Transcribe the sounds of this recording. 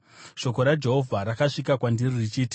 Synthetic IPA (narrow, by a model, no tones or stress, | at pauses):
ʃo̞ko̞ɾad͡ʒe̞ɦo̞vʱaɾakaʂikakwandiririt͡ʃiːti̥